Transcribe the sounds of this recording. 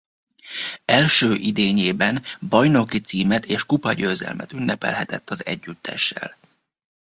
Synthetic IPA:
ɛlʃøːʔid̪eːɲeːbɛnbɒjno̞kit̪siːmɛt̪eːʃkupɒɟøːzɛ̰lmɛt̪ynːɛpɛ̰lɦɛt̪ɛt̪ːɒzɛ̰ɟːyt̪ʰːɛ̰ʃːɛ̰l

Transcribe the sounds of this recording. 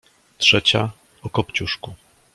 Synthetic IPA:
tʂɛt͡ɕa | ɔkɔpt͡ɕuʂku

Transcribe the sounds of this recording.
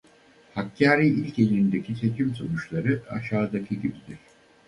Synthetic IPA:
hakʰːaːɾiːilʲce̞lʲind̪e̞cʲʰit̪ʰe̞t͡ʃʰimso̞nut͡ʃlˠaɾɯa̰ʃaːd̪acʰiɟibid̪iɾ̥

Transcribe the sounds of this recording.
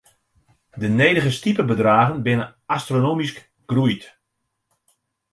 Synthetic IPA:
dəneːjdəɣəstipəbədraːɣənbɪnəastronoːmisk | ɡ̥rujt

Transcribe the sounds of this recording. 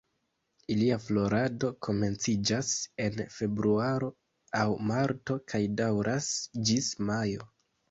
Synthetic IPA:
iliaflo̞ɾado̞kʰo̞me̞nt͡sid͡ʒase̞nfe̞bɾuaɾo̞ | awmaɾto̞kʰajdawɾʔasd͡ʒismajo̞

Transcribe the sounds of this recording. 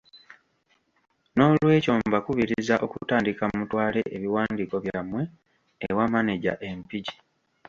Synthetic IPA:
no̞ːlwe̞ːco̞ːmbakuβiɾizaʔo̞kutaːndikamutwaːle̞ʔeβiwaːndiko̞βjamwe̞ː | wamaneɟa̰ʔe̞mpiɟi̥

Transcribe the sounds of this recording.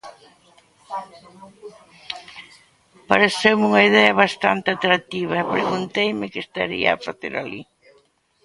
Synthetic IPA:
paɾeθewmuŋɐiðɛɐβast̪a̰nt̪ɪat̪ɾat̪iβ̞ɐɛpɾeɣunt̪ejmɪkɪst̪a̰ɾḭɐ̰ːfaθḛɾalḭ

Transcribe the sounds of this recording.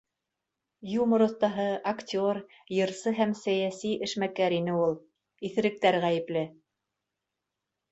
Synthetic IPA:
jumŏɾŏθt̪ɑɦɤaktʲoɾ | jɤ̆ɾsɤɦæmsæjæsiʔɘ̆ʃmækæɾinɘulˠ | iθɘ̆ɾɘ̆k̚t̪æɾʁæjɘ̆plɘ

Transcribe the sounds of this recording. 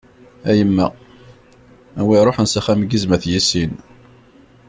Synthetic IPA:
æjəmːæ | æwiɾˤoħənsæχæmɡizmæθjisin

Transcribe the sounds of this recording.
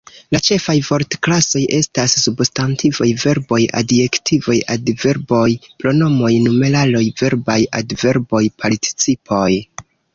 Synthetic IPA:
lat͡ʃe̞fajvo̞ɾtklaso̞jʔe̞stasːubstantʰivojve̞ɾbo̞jʔa̰de̞ktʰivo̞jʔadve̞ɾbo̞jpɾo̞no̞mo̞jnume̞lalo̞jve̞ɾbajʔa̰dve̞ɾbo̞jpʰaɾti̥t͡sipʰo̞j

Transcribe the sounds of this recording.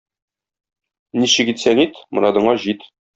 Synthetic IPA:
niɕɘ̆kit̪sæŋit̪mɤ̆ɾɑd̪ɤ̆ɴɑʑit̪

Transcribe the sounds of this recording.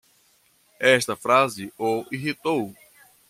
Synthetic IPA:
ɛʃt̪ɐfɾazɪoiɦit̪ow

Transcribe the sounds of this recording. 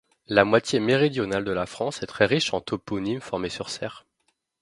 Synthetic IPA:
lamwat̪jemeʁid̪jɔnald̪əlafχɑ̃sɛt̪χɛʁiʃɑ̃t̪ʰopɔnimfɔʁmesyʁsɛːʁ

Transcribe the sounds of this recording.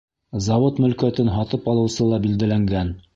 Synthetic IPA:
zɑwot̪mɵ̆lkæt̪ɘnɦɑt̪ɤpɑlˠɤ̆wsɤlˠɑbild̪ælæŋɡæn

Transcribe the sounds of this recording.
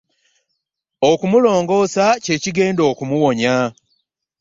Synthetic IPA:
okumulo̞ːŋɡo̞ːsace̞ːciɡe̞ːndo̞ːkumuwo̞ɲa

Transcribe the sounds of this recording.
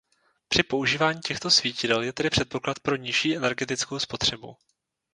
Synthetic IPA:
pr̥ɪpo̞uʒiːvaːɲiːcɛxt̪o̞sviːcɪdɛljɛt̪ɛdɪpr̥ɛt̪̚po̞klat̪̚pɾo̞ɲɪʃiːʔɛnɛɾɡɛt̪ɪt͡skowspo̞t̪r̝̥ɛbṵ

